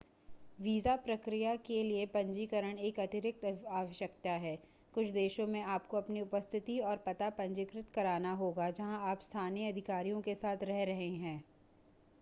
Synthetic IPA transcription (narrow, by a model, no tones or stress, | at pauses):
ʋiːzapɾɐkɾijakeliepɐ̃ɲd͡ʒiːkəɾəɽ̃eːkɐt̪ɪɾɪk̚t̪aːʋəʃjəkt̪aɦɛː | kʊt͡ʃʰd̪eːʃõmẽaːp̚koɐpniʊpəst̪ʰɪt̪iɔːɾpɐt̪apɐ̃ɲd͡ʒɪkɾɪt̪kɐɾaːnaɦoːɡad͡ʒɐɦãaːpst̪ʰaːniɐd̪ʱɪkaːɾijõkesaːt̪ʰɾɛɦɾɐɦẽɦɛ̃ː